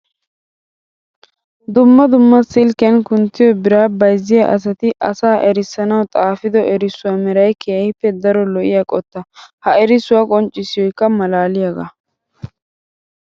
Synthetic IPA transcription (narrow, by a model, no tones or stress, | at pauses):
d̪ʊmːɐd̪ʊmːɐsɪlkɐnkʊnt̪ːɪjɔbɪɾaːbɐjzːɪjɐʔɐ̰s̬ɐt̪ɪʔɐsaːʔɛɾɪsːɐnɐwt̪ʼaːfɪd̪ɔʔɛɾɪsʊwamɛɾɐjkʰɛjɐjɪpːɛd̪ɐɾɔlɔʔɪjakʼɔt̪ːɐhɐɛɾɪsʊwakʼɔnt͡ʃʼːɪsɪjɔjkːɐmɐlaːlɪjaɡɐ̰